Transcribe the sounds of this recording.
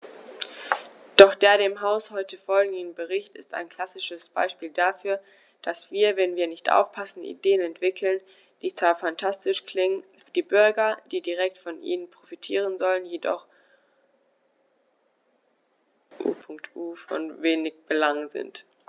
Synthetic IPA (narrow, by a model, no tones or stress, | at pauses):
d̥ɔχd̥eːɐdeːmɦaʊshɔʏtəfɔlɡŋ̩dn̩bəʁɪçtɪ̰sta̰ɪnkʰl̥asɪʃəsb̥a̰ɪʃpiːldafyːɐ | d̥asv̥iːɐvɛnviːɐnɪçtʔa̰ʊfpʰasn̩ʔḭdeːənɛntv̥ɪkʰl̩n | d̥iːt͡saːfantʰastɪʃkl̥ɪŋən | d̥iːbʏɐɡɐd̥iːdiʁɛk̚tfɔnʔḭːnənpʁ̥ofitʰiːʁ̞ənzɔlənjedɔ̰χ | ʔṵːpʰʊŋk̚tʰʔuːfɔ̰nveːnɪçb̥əlaŋzɪ̰nt